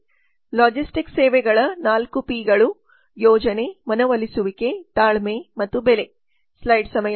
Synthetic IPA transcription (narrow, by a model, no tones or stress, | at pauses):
laːd͡ʒisʈikseːʋɛɡɐɭɐnaːlkupiːɡɐɭu | jɔːd͡ʒɐne̞mɐnɐʋɐlisuʋike̞t̪aːɭmemɐt̪ːubele̞ | slɐjɖsɐmɐj